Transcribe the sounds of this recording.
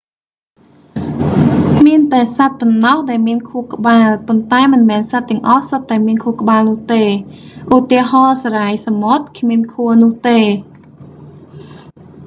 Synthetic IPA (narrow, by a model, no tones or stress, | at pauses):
kkʰmiənt̪aɛsat̪̚pɔnːɑhɗaɛlmiənkʰuəhkə̆ɓaːlpont̪aɛmɨnmɛːnsat̪ːɛ̆əŋʔɑhsət̪ːaɛmiənkʰuəkə̆ɓaːlnŭəht̪eː | ʔut̪iəɦɑːsaɾajsamot̪̚kʰmiənkʰuənʊ̆əht̪eː